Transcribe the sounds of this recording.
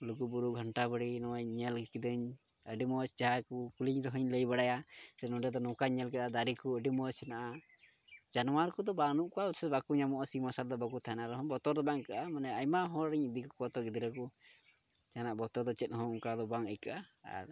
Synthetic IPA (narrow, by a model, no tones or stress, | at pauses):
lukubuɾuʔɡʱəɳʈabəɽinɔwaɲɛlkid̪əɲ | əɖimɔt͡ʃt͡ʃaɦakukuliɲɾɔɦəɲləjbaɽajasɛt̪ɔ̃ɖɛd̪ɔnɔkaɲɛlk̬ɛd̪ad̪aɾikuəɖimɔsɛnaʔa | d͡ʒanwaɾkɔd̪ɔbanuʔkɔauɾsɛbakuɲamɔʔɔsimasald̪ɔbakut̪ʰaɛnaɾɛɦɔbɔt̪ɔɾd̪ɔbaŋkaʔamanɛajmaɦɔ̃ɾɾɛɲid̪ikɔkɔt̪ɔɡid̪iɾəku | t͡ʃanaʔbɔt̪ɔɾd̪ɔt͡ʃɛt̪̚ˀhɔ̃ŋuŋkad̪ɔbaŋəjkaʔaa̰ɾ